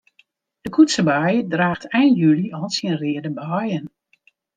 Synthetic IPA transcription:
d̥əkʰutsəbajədraːxtʰɛjnjyliɔlˠsiənrɪədəbɔjən

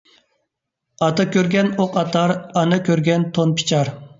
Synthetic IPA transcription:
ɑt̪ɑkʲøɾɡʲɛnoqʰɑt̪ɑɾɑnɨkʲøɾɡʲɛnt̪ʰonpʰi̥t͡ʃʰɑɾ

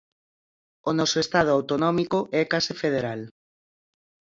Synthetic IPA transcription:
onɔsoest̪að̞ʊawt̪onɔmikoʔɛkasɪfeð̞eɾal

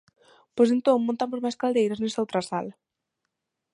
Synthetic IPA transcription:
pojsent̪õŋmõnt̪amozmajskald̪ejɾaznesaowt̪ɾasala

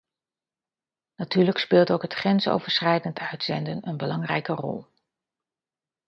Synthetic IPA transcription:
natyːləkspɪːlˠtowkɦətχrɛnso̰wvəɹsχɛjdəntʰœɥtsɛndənənbəlɑŋrɛ̰jkərɔ̰lˠ

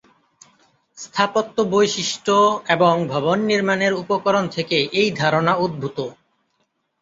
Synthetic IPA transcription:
st̪ʰapot̪ːobojʃiʃʈoeboŋbʱɔbonːiɾmaneɾupokoɾont̪ʰekeʔejd̪ʱaɾonaud̪̚bʱut̪o

